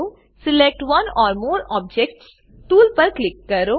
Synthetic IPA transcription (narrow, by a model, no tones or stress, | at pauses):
o | sɪlek̚ʈʋɐ̃nɔːɾmoːɾɔːb̚d͡ʒek̚ʈs | tuːlpɐɾklɪkːɐɾoː